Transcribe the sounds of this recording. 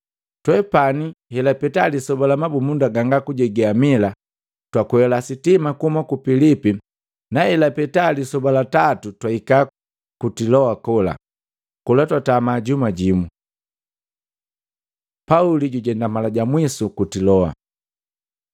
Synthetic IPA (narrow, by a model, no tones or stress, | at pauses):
twɛpanihɛlapɛtalisɔbalamabumundaɡaŋɡakuɟɛɡɛamila | twakuhɛlasitimakuhumakupilipi | nahɛlapɛtalisɔbalatatutwaika | kutilɔakɔla̰ | kɔlatwatamaɟumaɟimu | pauliɟuɟɛndamalaɟamwisukutilɔa̰